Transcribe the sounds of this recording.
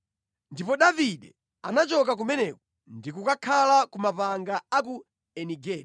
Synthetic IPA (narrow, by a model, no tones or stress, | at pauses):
ndipɔɗaviɗɛ | anat͡ʃɔk̬ak̬umɛnɛkɔ | ndikukakʰalakumapaŋɡaaku | ɛniɡɛːl